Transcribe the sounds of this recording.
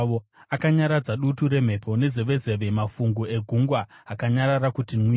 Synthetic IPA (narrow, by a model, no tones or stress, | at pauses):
oakaɲaɾad͡zaɗutuɾe̞m̤e̞pʰo̞ne̞zeʋe̞ze̞ʋemafuŋɡue̞ɡʱuŋɡwaɦakaɲaɾaɾakutinwi